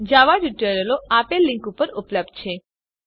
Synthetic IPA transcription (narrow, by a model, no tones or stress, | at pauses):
d͡ʒaʋad͡ʒuʈəɾəloapelːɪ̃ŋkupəɾupləb̚d̪̚t͡ʃʰe